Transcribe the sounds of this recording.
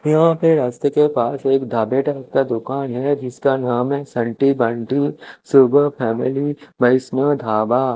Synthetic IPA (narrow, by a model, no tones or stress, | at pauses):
jɐɦãpɪɾaːst̪əkepaːseːkd̪ʱaːbeːʈɐkkad̪ʊkaːnɦɛd͡ʒɪskanaːmɦɛsɐ̃ɳʈibɐ̃ɳʈisʊbʱpʰɛːmɪlibɐɪsnəd̪ʱaːbaː